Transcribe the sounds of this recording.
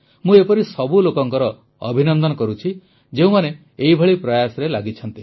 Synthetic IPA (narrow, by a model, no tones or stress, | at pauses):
mũepɔɾisɔbulokɔŋkɔɾɔ | ɔ̰bʱinɔnd̪ɔnɔkɔɾut͡ʃʰi | d͡ʒeũmane | eibʱeɭipɾɔjasɔɾelaɡit͡ʃʰɔnt̪i